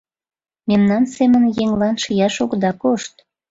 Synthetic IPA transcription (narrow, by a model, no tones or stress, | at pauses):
memnɑnsemənjeŋlɑnʃijɑʃoɡd̪ɑkoʃt̪̚